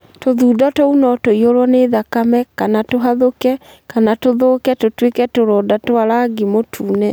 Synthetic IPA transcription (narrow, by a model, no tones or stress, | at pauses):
toðuːdɔtounɔtoioɾwɔneðakamɛkanatoɦaðokɛ | kanatoðokɛtotwekɛtoɾɔdatoaɾaɡimotʰuːnɛ